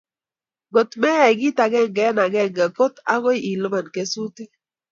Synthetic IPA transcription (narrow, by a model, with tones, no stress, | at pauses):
ɡo˨tmɛ˦ɛ˨ɡi˦ta˨ɡɛ˦ŋɡɛ˦na˨ɡɛ˦ŋɡɛ˨ko˦ta̰˦ɣo˦ji˨lo˦ma˨nke˨su˦ti˦